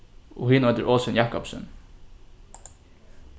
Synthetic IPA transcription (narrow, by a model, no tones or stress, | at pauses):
o̰ːhiːnɔd̪əɹʔoːsənjɑːkɔpsə̰n